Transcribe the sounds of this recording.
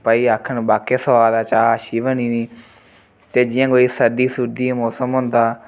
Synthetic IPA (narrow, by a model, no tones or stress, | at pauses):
paːiːaːkʰːəɳbaːkeːsəʋaːd̪aːt͡ʃaːʃiːbəniːniː | t̪eːd͡ʒɪjãːɡoːiːsəɾd̪iːsuɾd̪iːmoːsəmɦʊ̃nd̪aː